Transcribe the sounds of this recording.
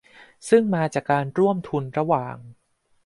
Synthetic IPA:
sɯ˥˩ŋmaː˧t͡ɕaː˨˩kːaː˧nɾu˥˩əmt̪ʰu˧nɾa˧waː˨˩ŋ

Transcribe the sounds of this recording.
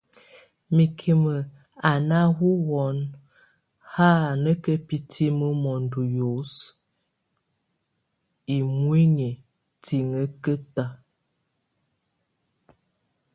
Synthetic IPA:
mi˨kʰi˨mə˨ | a˨na˦ɦu˦wɔ˨˦n | ha˦˨nə˦kə˦pi˨tʰi˦mə˦mɔ˨n˨du˨jo˨˦s | i˨mwi˦ɲi˨ | tʰi˨ŋə˦kə˦ta˦˨

